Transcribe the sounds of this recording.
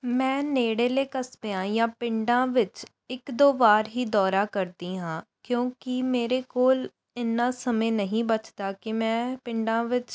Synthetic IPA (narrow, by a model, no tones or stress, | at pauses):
mɛ̃ːneːɽeːleːkəsbejãːjãːpɪ̃ɳɖãːʋɪt͡ʃ | ɪkd̪oːbaːɾɦiːd̪ɔːɾaːkəɾd̪iːɦãːkjõːkɪmeːɾeːkoːl | ɪnːãːsəmẽːnəɦĩːbət͡ʃd̪aːkɪmɛ̃ːpɪɳɖãːʋɪt͡ʃ